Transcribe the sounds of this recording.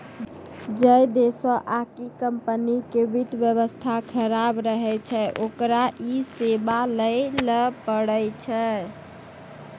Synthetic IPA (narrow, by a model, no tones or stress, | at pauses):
d͡ʒəjd̪esɔʔakikəmpənikebit̪bjəβəst̪ʰakʰəɾabɾəɦɛt͡ʃʰɛʔokɾaʔisebaləjləpəɽəjt͡ʃʰɛ